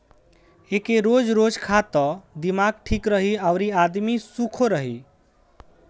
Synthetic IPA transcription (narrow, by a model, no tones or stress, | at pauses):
ekeɾod͡ʒɾod͡ʒkʰat̪əd̪imaɡ̚ʈʰikɾəɦiaʊɾiad̪misukʰoɾəɦi